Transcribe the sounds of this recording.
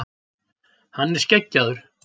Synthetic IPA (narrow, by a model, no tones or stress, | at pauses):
hanːɛɾ̥scecːaðʏɾ̥